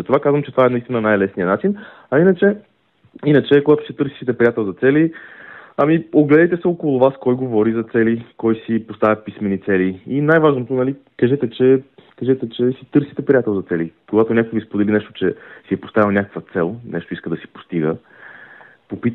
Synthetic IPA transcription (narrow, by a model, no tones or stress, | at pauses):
zɐt̪ovakazvəmt͡ʃɛt̪ovaɛnɐist̪inənajlɛsniənat͡ʃin | ɐinət͡ʃɛ | inət͡ʃɛkoɡat̪ʊsit̪ɤɾsi̥sit̪ɛpɾiat̪ɛlˠzɐt̪sɛli | ɐmioɡlɛd̪ɛjt̪ɛsɛokolˠʊvaskɔjɡovɔɾizɐt̪sɛlikɔjsipost̪avʲɐpismɛnit̪sɛliinajvaʒnot̪onɐli | kɐʒɛt̪ɛt͡ʃɛkɐʒɛt̪ɛt͡ʃɛsit̪ɤɾsit̪ɛpɾijat̪ɛlˠzɐt̪sɛlikoɡat̪onʲakojvispod̪ɛlinɛʃt̪o̥t͡ʃɛsiɛpo̥st̪avʲilˠnʲakə̥kvət̪sɛlˠnɛʃt̪oiskəd̪ɐsi̥po̥st̪iɡə | popit̪